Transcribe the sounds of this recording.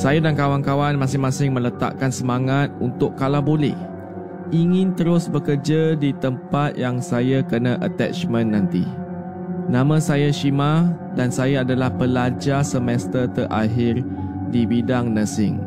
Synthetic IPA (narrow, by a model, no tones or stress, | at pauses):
sajadankawankawanmãsɪŋmãsɪŋmə̃lət̪a̰ʔkansəmãŋat̪̚unt̪ʊkːalawbolɛ̰h | ʔiŋɪ̃nt̪əɾʊsbəkərd͡ʒadit̪əmpat̪̚jaŋsajakənãʔət̪ɛ̰t͡ʃmə̃nːãnt̪ḭ | nãmãsajaʃima | dansajaːdalahpəlad͡ʒasəmɛst̪ərt̪əɾʔa̰ɦɪrdibidaŋnə̃sɪŋ